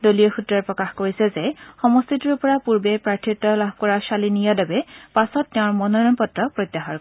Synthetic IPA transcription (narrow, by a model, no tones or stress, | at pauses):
dolijɔxutɹaɹpɹɔkaxkoɹisɛzɛxɔmɔst̪ʰitiɹpɔɹapuɹbepɹaɹtʰitːɔlab̚ʱkɔɹaʃalinijadabɛpasɔtːɛʊ̃ɹmɔnɔɹɔnpɔtɹɔpɹojt̪ːaxaɹk